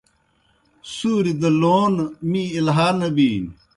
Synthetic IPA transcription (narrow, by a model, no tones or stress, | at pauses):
suːɾid̪ɐloːnmĩilɦaːnɐbiːn